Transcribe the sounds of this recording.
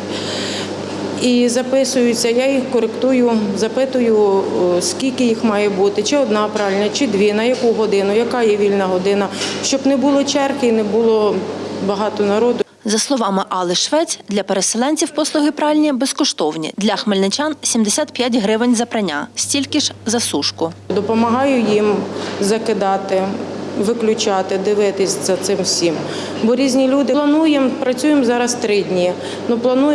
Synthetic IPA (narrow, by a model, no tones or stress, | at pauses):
izɐpɪsʊjʊt͡sʲːɐjajixkɔɾekt̪ujʊzɐpɪt̪ʊjʊskʲilʲkɪjixmɑjɛbut̪ɪt͡ʃɪɔd̪nɑpɾɑlʲnʲɐt͡ʃɪd̪ʋʲinɐjɐkuɦɔd̪ɪnʊjɐkɑjɛʋʲilʲnɐɦɔd̪ɪnɐʃt͡ʃɔbnɛbulˠɪt͡ʃɛrkɪinɛbʊlˠɔbɐɦɑt̪ɔnɐɾɔd̪ʊ | zɐslˠɔʋɑmɪʔɑlˠɪʃʋɛt͡sʲd̪lʲɐpeɾeselˠɛnʲt͡sʲiwpɔslˠʊɦɪpɾɑlʲnʲibeskɔʃt̪ɔwnʲḭd̪lʲɐxmelʲnɪt͡ʃɑnsʲimd̪esʲat̪pʲjatʲɦɾɪʋɪnʲzɐpɾɐnʲa̰sʲtʲilʲkɪʒzɐsuʃkʊd̪ɔpɔmɐɦɑjʊjimzɐkɪd̪ɑt̪ɪʋɪklʲʊt͡ʃɑt̪ɪd̪ɪʋɪt̪ɪsʲzɐt̪sɪmwsʲim | bɔɾʲizʲnʲilʲud̪ɪlˠɐnujɛmpɾɐt͡sʲujɪmzɑɾɐst̪ɾɪdʲnʲij | nuplˠɐnuj